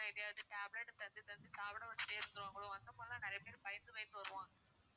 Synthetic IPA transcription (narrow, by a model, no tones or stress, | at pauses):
ãɪðɐjaːʋɐðɯʈaːbleʈːɯt̪ɐnd̪ɯt̪ɐnd̪ɯsaːʋɐɽɐ̃ʋɐt͡ʃːɪ̥ʈːeːɪɾɯŋd̪ɯɾãːŋɡɐɭõʋɐnd̪ɐpoːlɐlãːnɪɾɐjɐpeːɾpɐjɪnd̪ɯʋɐɪt̪ːɯʋɐɾɯʋãː